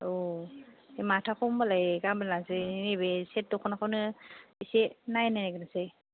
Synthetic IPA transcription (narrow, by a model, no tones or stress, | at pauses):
o | ematʰakʰɔmbalajɡambalasenebeset̚dɔkʰɔnakʰawnɯisenajnajnaɡɯnase